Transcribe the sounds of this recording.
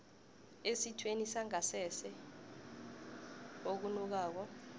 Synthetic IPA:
esitʰwenisaŋasɛsɛ | ok̬unuk̬aːk̬ɔ

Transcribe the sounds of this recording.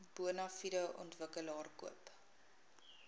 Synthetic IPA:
b̥uənɐfiɾəʔɔntvəkəlɑːrkuəp

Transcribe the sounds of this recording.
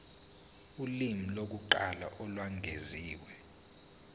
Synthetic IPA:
ulimilok̬uǃala̰ʔɔlwaŋʱeziːwɛ

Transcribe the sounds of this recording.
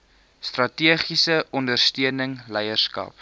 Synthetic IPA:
strɐtiəχisəɔndərstyənəŋlɛjərskɐ̰p̚

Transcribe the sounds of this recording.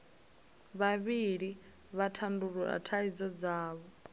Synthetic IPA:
βaβiɺi | βatʰanduɺuɺa̰tʰaid͡zɔd͡zaːβɔ

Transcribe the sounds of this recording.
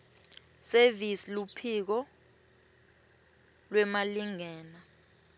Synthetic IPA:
sevisilupʰik̬ɔ | lwɛmaliŋɛːna

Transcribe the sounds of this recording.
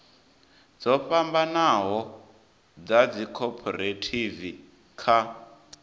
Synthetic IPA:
d͡zɔɸambanaɦɔ | d͡zad͡zikʰɔpʰɔɾetʰivi | kʰa

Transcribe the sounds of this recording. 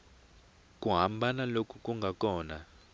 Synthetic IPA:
kʼuɦambanalokʰukʼuŋɡʱakʼɔːna

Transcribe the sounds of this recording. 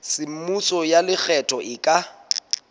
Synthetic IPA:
sɪm̩musɔjalɪk͡xʰɛtʰʼɔʔɪkʼa

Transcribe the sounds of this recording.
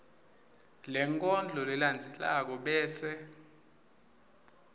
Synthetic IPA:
lɛŋkʼɔnd͡ɮʱɔlɛland͡zʱɛla̰k̬ɔɓɛːsɛ

